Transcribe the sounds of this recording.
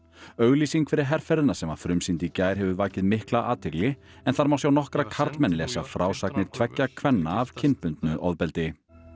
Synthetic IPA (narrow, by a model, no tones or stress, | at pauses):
œɣliːsiŋkʰfɪɾɪɾɦɛɾ̥fɛɾðɪðnasɛmafɾʏmsint̪icaːjɾ̥ɦɛvʏvaːcɪðmɪhklaʔaːt̪ʰɪklɪ | ɛnθaɾmaːwsjawnɔhkɾakʰaɾt̪mɛnlɛsafɾʔaːwsak̚nɪɾ̥t̪ʰvɛctːakʰvɛnːaːv̥cʰɪnpʏnt̪nʏʔɔðpɛlt̪ɪ